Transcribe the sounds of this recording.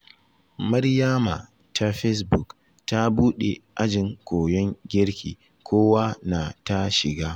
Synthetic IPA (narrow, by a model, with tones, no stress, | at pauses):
mɐ˦rjaː˦ma˨ | ta˦ɸɛ˦sbʊ˨k | ta˦buː˦ɗe˨ʔa˦d͡ʒɪ˨ŋkʷoː˨jɔ˦ŋɡʲɪ˦ɽkʲʰḭː˨ | kʰʷoː˦wa˦na˨ta˦ʃɪ˨ɡaː˦